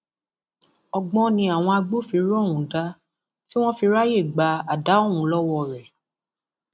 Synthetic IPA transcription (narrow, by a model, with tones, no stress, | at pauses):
ɔ˧ɡ͡bɔ̃˧nĩ˧a˨w̃ɔ̃˧a˧ɡ͡bo˦˨fi˧ɾɔ˦˨wũ˨da˦ | ti˦w̃ɔ̃˦fi˧ɾa˦je˦˨ɡ͡ba˧a˨da˨˦o˦˨ũ˨˦lɔ˦wɔ˧ɾɛ˨